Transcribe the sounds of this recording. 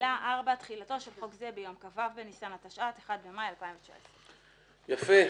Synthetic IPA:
laʔaʁbatχilato̞ʃelokzebejo̞mkavavbenisanat̪aʃʔateχad̪̚bemajalpaiɱvet͡ʃa̰essʁe | jafe

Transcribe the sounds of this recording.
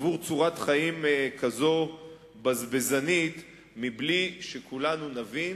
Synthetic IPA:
vuʁt͡suʁat̪χaimkazo | bazbe̞zanit̪ | mibliʃekulanunavin

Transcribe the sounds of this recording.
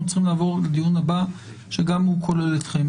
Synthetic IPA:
t͡sχimlaːvo̞ʁled̪ijunhaba | ʃeɡamhukʰo̞lelet̪χem

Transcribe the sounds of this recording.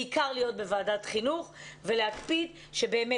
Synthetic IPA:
ikaʁlijo̞t̚be̞vaːdatχinuχve̞lehakpid | ʃebe̞ːme

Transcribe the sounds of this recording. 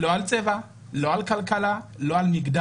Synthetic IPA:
lɔalt͡sʼɛva | lɔalkʰalkʰalalɔalmikda

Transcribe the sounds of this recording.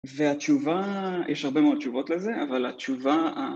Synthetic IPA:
veat͡ʃuvajʔɛʃhaʁbemeod̚t͡ʃuvo̞t̪leze̞ʔavalat͡ʃuvaa

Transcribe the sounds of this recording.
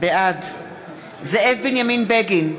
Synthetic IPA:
bɛad̪ | zɛɛfbinaminbɛɡin

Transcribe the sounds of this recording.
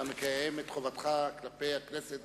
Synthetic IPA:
amekajemet̪χovat̪χaklapejakneset̪

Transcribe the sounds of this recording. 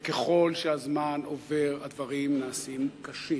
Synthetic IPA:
keχo̞lʃeazmanove̞ʁad̪vaʁimnaːsimkaʃi

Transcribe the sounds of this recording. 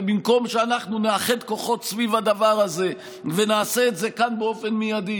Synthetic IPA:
bimko̞mʃeanaχnuneaχe̞d̪ko̞χo̞t̪svivad̪avaʁaze̞ | venaːse̞ːtze̞kanbeo̞fe̞nmijad̪i

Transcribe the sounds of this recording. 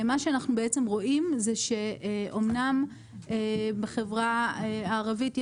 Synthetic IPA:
maʃeanaχnubeet͡se̞mʁo̞ʔimzeʃe̞ʔomnam | ebeχevʁaeaːʁavitj

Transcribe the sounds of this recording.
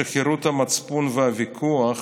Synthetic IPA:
eχeɾut̪hamat͡spunvehavikʰuaχ

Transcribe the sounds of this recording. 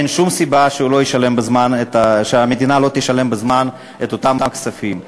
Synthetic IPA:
enʃumsibaʃeulo̞jeʃale̞mbezmanetaʃeamed̪inalo̞t̪eʃale̞mbezman | et̪ot̪amt̪akt͡safim

